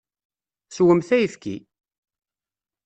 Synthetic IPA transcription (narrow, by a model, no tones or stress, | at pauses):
swəmθæjəfkḭ